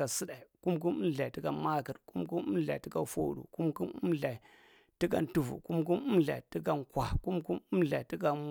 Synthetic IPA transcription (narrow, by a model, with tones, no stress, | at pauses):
a˨si˦ɗa˨i˨ku˦mk̬u˦nu˦nɮa˨i˨ti˦ɡa˨ma˦ki˨ɾku˦mku˦nu˦ɮa̰˨i˨ti˦ka˨fo̰˦ɗṵ˨ku˦mku˦nu˦ɮa˨i˨ | ti˦ka̰˨n˨tu˨vṵ˨ku˦mku˦nu˦mɮa̰˨i˨ti˦ka˨nkwʷa˨ku˦mku˦mu˦mɮa˨i˨ti˦ka˨